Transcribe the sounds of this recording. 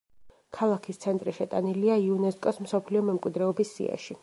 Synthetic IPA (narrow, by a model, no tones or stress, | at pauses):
kʰalˠakʰist̪sʰɛnt̪ʼɾiʃɛt̪ʼaniliaiunɛskʼɔsmsɔpʰliɔmɛmkʼwid̪ɾɛɔbisːḭa̰ʃi